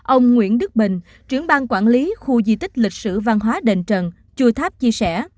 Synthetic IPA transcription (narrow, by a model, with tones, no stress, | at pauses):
ʔə˧wŋ͡mŋwḭ˧˥ənɗɨ˦˥k̚ɓï˨˩ŋ̟ | t͡ɕwḭ˧˩əŋɓa˧ŋkwaː˧˩nli˨˦xu˧zi˧˩t̪ï˦˥k̟̚lï˨˩k̟̚sɨ̰˧˩va˧nɦwaː˨˦ɗḛ˧˨nt͡ɕə˨˩n | t͡ɕu˧ət̪ʰaː˦˥p̚t͡ɕi˧əsɛ˧˩